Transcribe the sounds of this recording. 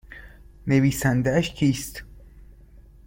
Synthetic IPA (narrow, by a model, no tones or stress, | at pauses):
neviːsænd̪ææʃcʰiːst̪